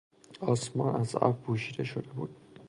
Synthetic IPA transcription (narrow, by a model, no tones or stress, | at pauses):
ɒsmɒnæza̰fbuʃid̪ɛʃod̪ebuːd̪̥̚